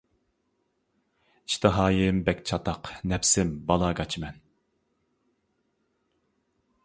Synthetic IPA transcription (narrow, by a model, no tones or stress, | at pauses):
iʃt̪ʰɨɦɑːjɪmbɛkʲt͡ʃʰɑt̪ʰɑqnɛpsɪmbɑlˠɑɡɑt͡ʃʰmɛn